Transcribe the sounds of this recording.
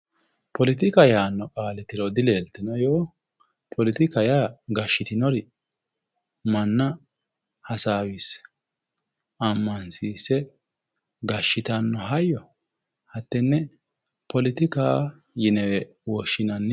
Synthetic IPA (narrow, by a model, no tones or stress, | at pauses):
pʰɔlɪt̪ɪkɐjaːnːɔkʼaːlɪt̪ɪɾɔd̪ɪleːlt̪ːɪnɔjoː | pʰɔlɪt̪ɪkɐjaːɡɐʃːɪt̪ɪnɔɾɪ | mɐnːɐ | hɐsaːwis | ɐmːɐnsiːsːɛ | ɡɐʃːɪt̪ɐnːɔɦɐjːɔ | hɐt̪ːɛnːɛ | pɔlɪt̪ɪkaː | jɪnɛwɛ | wɔʃːɪnɐnːɛ